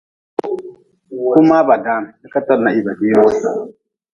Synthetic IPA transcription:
ku˦ma˦ba˨da˦na˦ka˦ta˦ɾna˨i˦ba˨di˦ɾo˦s

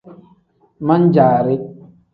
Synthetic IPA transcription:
ma˦n̩˦d͡ʒaː˨ɾe˦

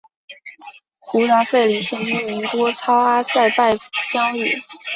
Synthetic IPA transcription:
xu˧˥na˧˥nfe˥˩ɪli˨˩ɕjɛ˥˩ny˥mi˧˥ŋt̪wɔ˥t͡sʰɑ˥ʊa˥sa˥˧ɪpa˥˩ɪt͡ɕjɑ˥ŋy˥˩

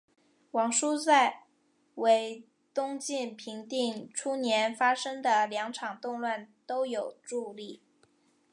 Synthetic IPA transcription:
wɑ˨˩ŋʂu˥t͡sa˥˩ɪ | we˧˥ɪ | t̪ʊ˥ŋt͡ɕi˥˩npʰi˧˥ŋt̪i˥˩ŋʈ͡ʂʰu˥njɛ˧˥nfa˥ʂɤ˥ŋd̪ə˨ljɑ˧˥ŋʈ͡ʂʰɑ˨˩ŋt̪ʊ˥˧ŋlwa˥˩nt̪o˥ʊjo˨˩ʊʈ͡ʂu˥˧li˥˩

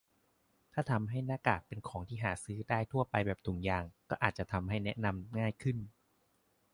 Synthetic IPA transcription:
t̪ʰaː˥˩t̪ʰa˧mɦa˥˩jnaː˦˥˩kaː˨˩k̚pe˧nkʰɔː˩˦ŋt̪ʰiː˥˩ɦaː˩˦sɯː˦˥daː˥˩jt̪ʰu˥˩ɐpa˧jbɛː˨˩p̚t̪ʰu˩˦ŋjaː˨˩ŋkɔː˥˩ʔaː˨˩t̪̚t͡ɕa˨˩t̪ʰa˧mɦa˥˩jnɛ˦˥ʔna˧mŋaː˥˩jkʰɯ˥˩n

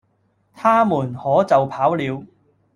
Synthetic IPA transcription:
t̪ʰaː˥muː˨˩nhɔː˨˥t͡sɐ˨wpʰaː˨˥wliː˨˧w

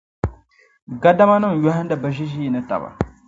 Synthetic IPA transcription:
ɡa˦da˦ma˦nɨ˦ŋ˨jɔ˦hɨ˦n˦dɨ˨ba˨ʒi˦ʒi˦i˨nɨ˦ta̰˨ba̰˨

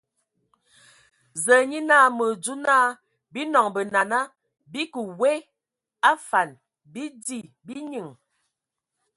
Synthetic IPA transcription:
zə˨ɲi˦na˦˨mə˨d͡zu˦na˦ | bi˦nɔ˨ŋbə˨na˨na˦ | bi˦kə˨we˦ | a˦fa˨n | bi˦di˦˨ | bi˦ɲi˨ŋ

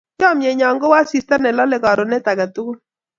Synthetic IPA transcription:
t͡ʃɔ˦mjɛ˨ɲɔ˨ŋɡɔ˦wa˦si˨sta˦nɛ˨lɔ˦lɛ˨kɔ˨ɾo˨nɛ˦ta˨ka˨tu˦ku˦

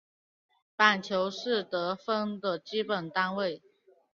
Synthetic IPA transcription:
pa˨˩nt͡ɕʰjo˧˥ʊʂɻ̩˥˩t̪ɤ˧˥fə˥ŋd̪ə˨t͡ɕi˥pə˨˩nt̪a˥nwe˥˩ɪ

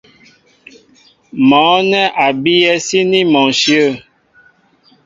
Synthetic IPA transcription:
mɔ̃˨˦nɛ˦ʔa˨bi˦jɛ˦si˦ni˦mɔ˨ʃjə˦˨

